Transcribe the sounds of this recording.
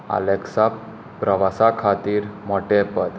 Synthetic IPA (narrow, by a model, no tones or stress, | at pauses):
a̰leksa | pːɾəʋasakʰat̪iːɾmɔʈepəd̪